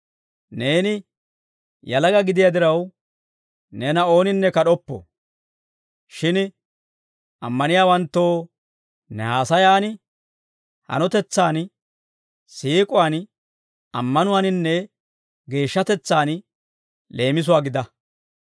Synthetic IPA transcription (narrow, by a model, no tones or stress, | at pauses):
ne̞ːnɪ | jɐlɐɡɐɡɪd̪ɪjɐd̪ɪɾɐw | nɛnɐo̞ːnɪnːɛkɐɗɔpːɔ̰ | ʃɪn | ɐmːɐnɪjaːwɐnt̪ːo̞ː | nɛ̰haːsɐjaːnɪ | hɐ̰nɔt̪ɛt͡sːaːn | siːkʼʊwaːn | ɐmːɐnʊwanɪnːɛ | ɡe̞ːʃːɐt̪ɛt͡sːaːn | le̞ːmɪs̬ʊwaːɡɪd̪ɐ